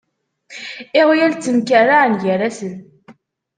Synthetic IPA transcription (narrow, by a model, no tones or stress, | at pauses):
ɪʁjælt͡sːəmkæraʕnʝəɾæsən